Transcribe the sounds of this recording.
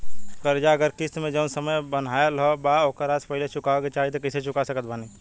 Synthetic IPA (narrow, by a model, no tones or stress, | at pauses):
kəɾd͡ʒaəɡəɾkist̪mẽd͡ʒənsəməjbən̤aelɦɔbaoːkəɾaspəɦilet͡ʃukaket͡ʃaɦit̪̬ɔkəset͡ʃukasəkət̪̚bʱani